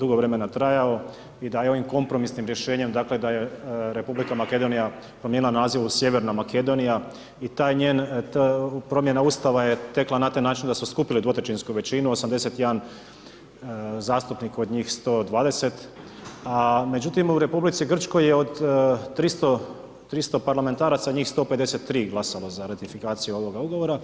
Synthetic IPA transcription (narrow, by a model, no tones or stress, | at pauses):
d̪uɡo̞ʋɾe̞me̞nat̪ɾajao̞ | id̪ajeo̞ʋimko̞mpɾo̞misnimɾje̞ʃe̞ːɲemd̪akle̞d̪aje̞ɾe̞publikamake̞d̪o̞nija | pɾomjenilˠanaziʋusje̞ʋe̞ɾnamake̞d̪o̞nija | it̪aːjɲeːn | pɾo̞mje̞naust̪aʋaje̞t̪e̞klˠanat̪ajnaːt͡ʃind̪asmoskupilid̪ʋo̞t̪at͡ʃinskuʋe̞t͡ʃinuo̞samd̪e̞se̞t̪jed̪an | zaːst̪upniko̞d̪ɲiːxst̪o̞ːd̪ʋaːd̪e̞se̞t̪ | ame̞d͡ʒut̪imuɾe̞publit̪siɡr̩t͡ʃko̞jeod̪ːɾist̪o | t̪ɾist̪opaɾlame̞nt̪aːɾat̪saɲiːxst̪o̞ːped̪e̞set̪ːɾiːɡlˠasalo̞zaɾat̪ifikaːt̪sijuo̞ʋo̞ɡauɡo̞ʋo̞ɾa